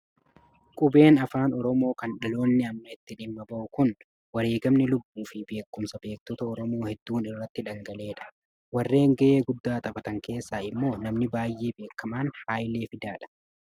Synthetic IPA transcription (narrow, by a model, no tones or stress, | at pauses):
kʼʊbe̞ːnɐfaːnɔɾɔmo̞ːkɐnᶑɐlo̞ːnːɪɐmːɐɪt̪ːɪᶑɪmːɐbɐʔʊkʊn | wɐɾe̞ːɡɐmnɪlʊbːuːfɪbe̞ːkːʊmsɐbe̞ːk̚t̪ɔt̪ɐɔɾɔmo̞ːhɛd̪ːuːnɪrːɐt̪ːɪᶑɐŋɡɐle̞ːᶑɐ̥ | wɐrːe̞ːŋɡɐʔeːɡʊd̪ːaːt̪ʼɐbɐt̪ɐŋke̞ːsːaːɪmːo̞ːnɐmnɪbaːjːe̞ːbe̞ːkːɐmaːnhaːjle̞ːfɪd̪aːᶑɐ̥